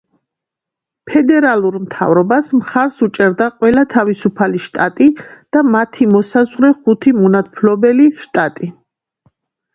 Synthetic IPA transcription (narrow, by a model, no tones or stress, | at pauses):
pʰɛd̪ɛɾalˠuɾmt̪ʰa̰vɾɔbasmχaɾsut͡ʃʼɛɾd̪aqʼwɛlat̪ʰavisupʰaliʃt̪ʼat̪ʼid̪̥amat̪ʰimɔsazʁɾɛχut̪ʰimɔnat̪̚ʰpʰlɔbɛliʃt̪ʼat̪ʼi